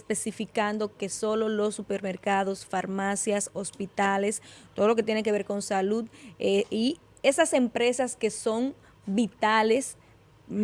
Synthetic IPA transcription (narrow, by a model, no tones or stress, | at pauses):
spe̞sifikand̪o̞ke̞so̞lo̞lo̞sːupeɾme̞ɾkaðo̞sfaɾmasjasospit̪alest̪oðolo̞ket̪jenek̬e̞βe̞ɾko̞nsalud̪i | e̞sase̞mpɾe̞saske̞so̞ŋ | bit̪ales